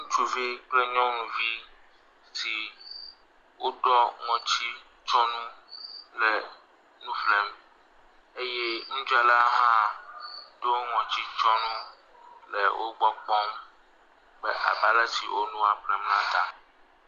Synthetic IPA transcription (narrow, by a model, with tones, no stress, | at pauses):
ŋũ˦t͡ʃu˦vi˦k͡ple˦ɲɔ̃˦nũ˨vi˦ | si˨ | wʔo˦ɖɔ˦ŋɔ̃˨t͡ɕi˦ | t͡ʃɔ̃˦nũ˦lɛ˨ | nũ˦flɛ˨m | e˦jɛ˦ŋ̩̃˦d͡ʒa˨la˦ɦã˦ | ɖo˦ŋɔ̃˨t͡ɕi˦t͡ʃɔ˦nũ˦ | lɛ̰˨wʔo˦ɡ͡bɔ˦k͡pɔ̃˦m | bɛ˦ʔa̰˨ba˦la˦sḭ˨wo˦nũ˦a˨ɸlɛ˨mnã˦t̪a˨